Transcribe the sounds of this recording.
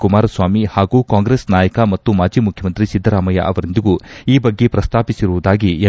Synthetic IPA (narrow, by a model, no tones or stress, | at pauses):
kumaːɾɐsʋaːmihaːɡuːkaːŋɡɾeːsnaːjɐkɐmɐt̪ːumaːd͡ʒiːmukʰjɐmɐnt̪ɾisid̪ʱːɐɾaːmɐjɐ̰ʔɐʋɐɾind̪iɡuiːbɐɡːe̞pɾɐst̪ʰaːpisiɾuʋud̪aːɡie